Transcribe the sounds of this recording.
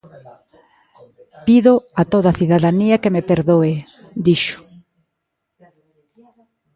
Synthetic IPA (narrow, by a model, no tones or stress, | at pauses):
piðoat̪oðaθiðaðaniakemepeɾðoe | d̪iʃʊ̥